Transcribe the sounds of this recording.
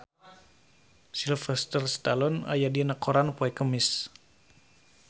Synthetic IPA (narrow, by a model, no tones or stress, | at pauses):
silfəst̪ərst̪alɔna̰jadinakoɾanpoɛkəmɪs